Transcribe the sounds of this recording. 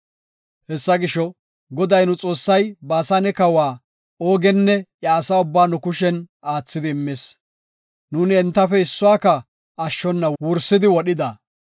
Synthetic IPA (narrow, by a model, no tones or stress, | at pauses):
hɛsːɐɡɪʃɔ | ɡɔd̪ɐjnʊt͡sʼo̞ːsːɐjbaːsanɛkɐwaː | oːɡɛnːɛjaːsaːʊbːaːnʊkʊʃɛnaːt͡sːɪd̪ɪːmːes | nuːnɪɛnt̪ːɐfɛɪsːʊwaːkɐ | ɐʃːɔnːɐwʊɾsɪd̪ɪwɔɗɪd̪ɐ